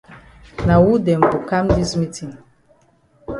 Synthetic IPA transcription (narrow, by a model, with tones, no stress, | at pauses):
na˨wu˦dɛ˨mbu˨kã˦mdi˦smi˦tʰĩ˨ŋ